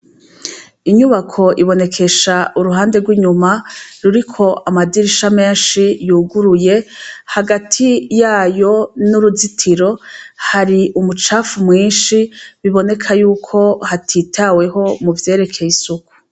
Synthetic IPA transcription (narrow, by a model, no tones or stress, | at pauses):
iɲuβakʰo̞ʔiβo̞ne̞kʰe̞ʃaʔuɾuɦaːnde̞ɾɡwiːɲumaɾuɾikʰo̞ʔamadiɾiʃame̞ːnʃijuːɡuɾuje̞haɡatʰijaːjo̞nuɾuzitʰiɾo̞haɾiumut͡ʃaːfumŋiːnʃiβiβo̞ne̞kʰajuːkʰo̞hatʰitʰawe̞ɦo̞muvje̞ːɾe̞kʰe̞jisuku̥